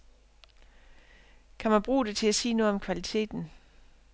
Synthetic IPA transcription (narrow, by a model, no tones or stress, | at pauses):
kʰæmænb̥ʁṵːd̥e̝t͡sʰe̝læsiːnɔ̽ð̩ˠɒ̽mkʰʋælit͡sʰe̝̰ːd̥n̩